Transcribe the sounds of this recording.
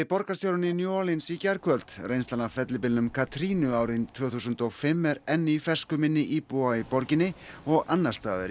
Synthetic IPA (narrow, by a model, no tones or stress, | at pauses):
ɪpɔɾkast̪jowɾʏnɪnjoːlɪnsicaɾkʰœlt̪rejnst̪anafɛt̪lɪpɪlnʏmkʰat̪ɾiːnʏaːwɾɪnt̪ʰv̥œːθusʏnt̪ɔɣfɪmːɛɾɛnːɪifɛ̥skʏmɪnːɪʔipuaipɔɾcɪnːɪɔɣanːḁst̪a̰ːðɪ̰ɾɪ